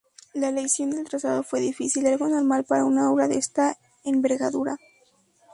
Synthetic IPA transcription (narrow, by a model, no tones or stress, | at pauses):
laelejsjo̞nd̪e̞lt̪ɾasaðo̞fwe̞ðifisilalɣo̞no̞ɾmalpaɾaunao̞βɾaðest̪a | embe̞ɾɣaðuɾa